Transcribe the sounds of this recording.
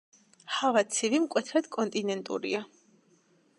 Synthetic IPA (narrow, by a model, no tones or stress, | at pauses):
havat̪sʰivimkʼwɛt̪ʰɾad̪̥kʼɔnt̪ʼinɛnt̪ʼṵɾḭa